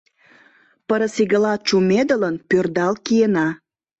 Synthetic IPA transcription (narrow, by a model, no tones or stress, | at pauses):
pəɾəsiɣəlɑt͡ʃumed̪ələnpørd̪ɑlkijenɑ